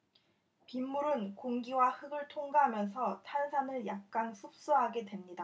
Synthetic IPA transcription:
pimːuɾɯnkoŋɡiwahɯɡɯɭtʰoŋɡaɦamjʌns̬ʰʌtʰansʰanɯɭjak̚k͈ansʰup̚s͈uɦaɡe̞dwe̞mɲida

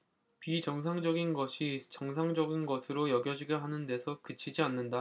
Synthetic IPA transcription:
pid͡ʑʌŋs̬ʰaŋd͡ʑʌɡinɡʌɕʰit͡ɕʌŋsʰaŋd͡ʑʌɡinɡʌsʰɯɾojʌɡjʌd͡ʑiɡʌɦanɯnde̞sʰʌkɯt͡ɕʰid͡ʑianːɯnda

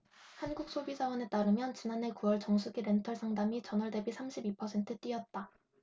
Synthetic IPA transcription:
hanɡuk̚s͈ʰobisʰawʌne̞t͈aɾɯmjʌnt͡ɕinane̞kuwʌɭt͡ɕʌŋsʰuɡiɾe̞ntʰʌɭsʰaŋdamit͡ɕʌnʌɭde̞bisʰamɕʰibipʰʌsʰe̞ntʰɯt͈wiʌt̚t͈a

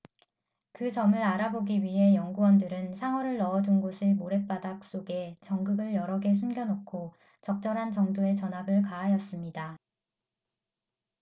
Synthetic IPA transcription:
kɯt͡ɕʌmɯɾaɾaboɡiɥiɦe̞jʌŋɡuwʌndɯɾɯnsʰaŋwʌɾɯɭːʌːd͡ʑunɡosʰɯɭmoɾe̞p͈adak̚s͈oɡe̞t͡ɕʌŋɡɯɡɯɭjʌɾʌɡe̞s̬ʰunɡjʌnokʰo | t͡ɕʌk̚t͡ɕ͈ʌɾɦant͡ɕʌŋdoe̞t͡ɕʌnɦabɯɭkaɦajʌs͈ɯmɲida

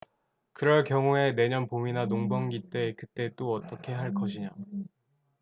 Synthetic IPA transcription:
kɯɾʌɭkjʌŋue̞ne̞ɲʌnpominanoŋbʌŋɡit͈e̞kɯt͈e̞t͈oʌt͈ʌkʰe̞ɦaɭk̬͈ʌɕʰiɲa

